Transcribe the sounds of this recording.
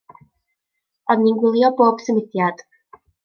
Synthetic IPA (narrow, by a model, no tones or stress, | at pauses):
ɔðninɡwɪlˠjɔboːb̥səmɪθjad̥